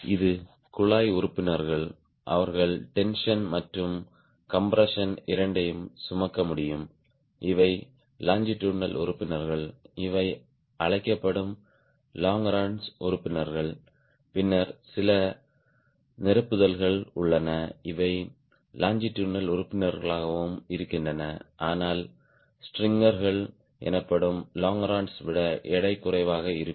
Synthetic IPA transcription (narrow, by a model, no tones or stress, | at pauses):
ɪðɯ | kʊɭaːjʊɾɯpːɪnɐɾɣɐɭ | ʔɐ̰ʋɐɾɣɐɭʈɛnʂɐnmɐʈrɯm | kɐmpɾɐʂɐnɪɾɐɳɖɐjɯmsʊmɐkːɐmʊɽɪjɯm | ʔɪʋɐɪ | laːɲd͡ʒɪʈːuːnɐlʔʊ̰ɾɯpːɪnɐɾɣɐɭɪʋɐɪ | ʔɐɻɐɪkːɐpːɐɽɯm | laːŋɾaːɳsʊɾʊpːɪnɐɾɣɐɭ | pɪnːɐɾsɪlɐ | nɪɾɐpːɯðɐlɣɐɭʊɭːɐnɐɪʋɐɪ | laːɲd͡ʒɪʈːuːnɐlʊɾʊpːɪnɐɾɣɐɭaːɣɐʋɯmɪɾɯkːɪndrɐnɐʔaːnaːl | sʈrɪŋɡɐɾɣɐɭ | ɛ̰nɐpːɐɽɯmlaːŋɾaːɳsʋɪɽɐʔɛɽɐɪkːʊrɐɪʋaːɣɐɪɾɯkː